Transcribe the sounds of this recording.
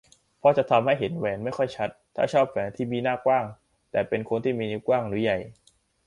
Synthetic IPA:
pʰɔ˦˥t͡ɕa˨˩t̪ʰa˧mha˥˩jɦe˩˦nwɛː˧˩nma˥˩jkʰɔ˥˩jt͡ɕʰa˦˥t̪ʰːa̰ː˥˩t͡ɕʰɔː˥˩p̚fɛː˨˧˦nt̪ʰiː˥˩miː˧naː˥˩kwaː˥˩ŋ | t̪ɛː˨˩pe˧nkʰo˧nt̪ʰiː˥˩miː˧ni˦˥kwaː˥˩ŋnuː˨˦ja˨˩j

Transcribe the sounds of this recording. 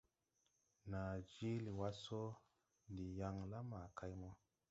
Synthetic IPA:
na˨d͡ʒi˦li˨wa˦so˦ | ndi˨ja˦ŋla˦ma˨ka˦jmɔ˦

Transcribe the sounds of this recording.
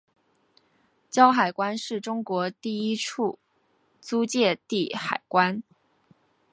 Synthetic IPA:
t͡ɕjɑ˥ʊxa˨˩ɪkwa˥nʂɻ̩˥˩ʈ͡ʂʊ˥ŋkwɔ˧˥t̪i˥˩i˥ʈ͡ʂʰu˥˩ | t͡su˥t͡ɕjɛ˥˧t̪i˥˩xa˨˩ɪkwa˥n

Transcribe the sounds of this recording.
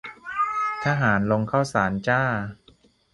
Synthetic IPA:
t̪ʰaː˧˥˩ɦaː˩˦nlo˧ŋkʰaː˥˩wsaː˩˦nt͡ɕaː˥˩

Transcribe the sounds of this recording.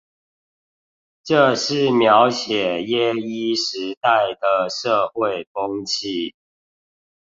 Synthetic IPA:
ʈ͡ʂɤ˥˨ʂɻ̩˥˨˩mjɑ˨˦ʊɕjɛ˨˩jɛ˦i˥ʂɻ̩˨˧˦t̪a˥˩ɪd̪ə˩ʂɤ˥˧xwe˥˨ɪfʊ˦ŋt͡ɕʰi˥˩

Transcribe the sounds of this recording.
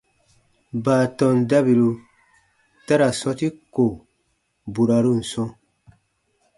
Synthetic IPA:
baː˨tɔ̃˨nda˦bi˨lu˧ | ta˦ɾa˨sɔ˦ti˦ko˨ | bu˨ɾa˨ɾu˦˨n̩˨sɔ̃˦

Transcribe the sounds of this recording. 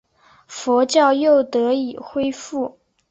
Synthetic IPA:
fɔ˧˥t͡ɕjɑ˥˧ʊjo˥˩ʊt̪ɤ˧˥i˨˩xwe˥ɪfu˥˩

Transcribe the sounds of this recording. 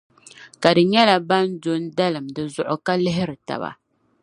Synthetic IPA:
ka˨dɨ˨ɲɛ˦la˨ba˦ndo˦n˦da˦lɨ˨mdɨ˨zʊ˨ʔʊ˨ka˦lɪ˦ɦɪ˦ɾɨ˨ta̰˨ba̰˨

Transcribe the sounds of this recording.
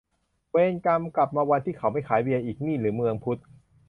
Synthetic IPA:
weː˧nka˧mkla˨˩p̚maː˧wa˧nt̪ʰiː˥˩kʰa˦˩˦wma˥˩jkʰaː˩˦jwi˧ʔiː˨˩k̚niː˥˩ɾɯː˩˦mɯ˧əŋpʰu˦˥t̪̚

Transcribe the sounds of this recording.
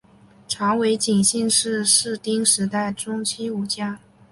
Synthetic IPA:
ʈ͡ʂʰɑ˧˥ŋwe˧˥ɪt͡ɕi˨˩ŋɕi˥˧nʂɻ̩˥˧ʂɻ̩˥˩t̪i˥ŋʂɻ̩˧˥t̪a˥˩ɪʈ͡ʂʊ˥ŋt͡ɕʰi˥u˧˥t͡ɕja˥

